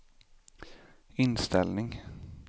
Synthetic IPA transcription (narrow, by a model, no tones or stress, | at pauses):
ɪnst̪ɛ̰lnɪŋ